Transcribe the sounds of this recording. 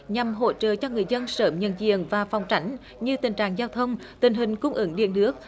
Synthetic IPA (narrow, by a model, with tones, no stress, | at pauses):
ɲa˨˩mɦo̰˧˥t͡ɕə̰ː˧˨t͡ɕɔ˧ŋɨ˨˩əjzə˧nsəː˨˩mɲə̰˧˨nzḭ˧˨ənvaː˨˩fɔ˨˩wŋ͡mt͡ɕa˨˦jŋ̟ | ɲɨ˧t̪ï˨˩ŋ̟t͡ɕa̰ː˧˨ŋzaː˧wt̪ʰə˧wŋ͡m | t̪ï˨˩ŋ̟ɦï˨˩ŋ̟kʊ˧wŋ͡mʔɨ˧˦ŋɗḭ˧˨ənɨ˦˥ək̚